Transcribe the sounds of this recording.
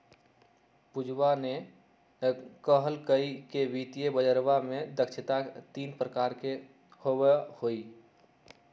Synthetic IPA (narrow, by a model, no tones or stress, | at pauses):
pud͡ʒʱwane | kəɦəlkəikebit̪ijebəd͡ʒəɾbamed̪əkʃʰɪt̪at̪inpɾəkaɾke | hobehoi